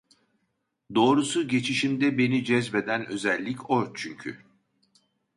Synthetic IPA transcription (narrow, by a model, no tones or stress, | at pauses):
d̪o̞ːɾusuɟe̞t͡ʃʰiʃimd̪ɛbe̞nid͡ʒɛzbe̞d̪ænø̞zɛlʲːicot͡ʃʰyɲcʰy̰